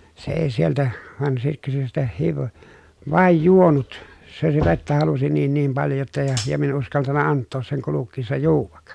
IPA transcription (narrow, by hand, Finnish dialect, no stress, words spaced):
se eˑi sieltæ ʋɑn sitːe se sitæ hiʋ ʋɑˑej juonut se si ʋetːæ hɑlusi niːn niːm pɑljo jotːɑ jɑ jɑ min en uskɑltɑnːɑ ɑntːoːs seŋ kulukːiːsːɑ juːʋɑk